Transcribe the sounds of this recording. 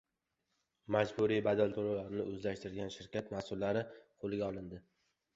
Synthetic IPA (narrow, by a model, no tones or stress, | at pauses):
mad͡ʒbuɾijbad̪alt̪ʰolawlaɾɪnɪʔɵzlaʃt̪ɪɾɡʲanʃɪɾkʲat̪masʊlːaɾɪqʰolˠɪɡʲaɒlˠɪnd̪ɪ